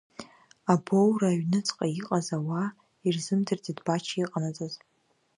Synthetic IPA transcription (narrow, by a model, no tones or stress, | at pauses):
abowraːɥnɨt͡sʼqʼaiqʼazawa | irzɨmdʰɨrdidbat͡ʃʰiqʼanat͡sʼaz